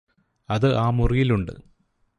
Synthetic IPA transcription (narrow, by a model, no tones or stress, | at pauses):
ɐðɨʔaːmurijiluɳɖɨ̰